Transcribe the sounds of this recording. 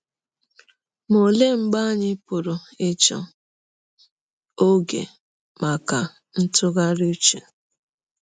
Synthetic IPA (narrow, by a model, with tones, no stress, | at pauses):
mo˨le˦ŋ͡m̩˨ɡ͡ba˦ɲɪ˦pʊ˨ɾo˨ | e˦t͡ʃɔ̰˨ | o˦ɡḛ˨ | ma˨ka˨ | n̩˦tʊ˦ɣa˦ɾi˦t͡ʃḛ˨